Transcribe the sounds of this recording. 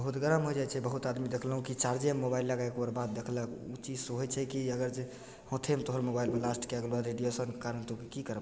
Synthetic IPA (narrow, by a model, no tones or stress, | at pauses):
bəɦut̪ɡəɾəmɦod͡ʒat͡ʃʰɛbəɦut̪ad̪mid̪ekʰləɦũkit͡ʃaɾd͡ʒemːobailːəɡaekbəɾbat̪̚d̪ekʰləkut͡ʃid͡ʒsoɦəjt͡ʃʰɛkiəɡəɾd͡ʒe | hõt̪ʰemet̪oɦəɾmobailmelasʈʰkeaɡlbad̪ɾeɖijosənkekaɾənt̪okikikəɾəb